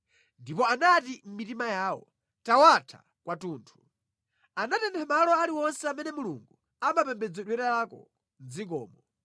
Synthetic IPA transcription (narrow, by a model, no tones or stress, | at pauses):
ndipɔanatim̩mitimajaːwɔ̰ | tawatʰa̰ | kwatuːntʰu̥ | anatɛntʰɛmalɔaliwɔnsɛamɛnɛmuluŋɡu | amapɛmbɛd͡zɛɗwɛɾalakɔ̰ | nd͡zik̬ɔ̰ːmɔ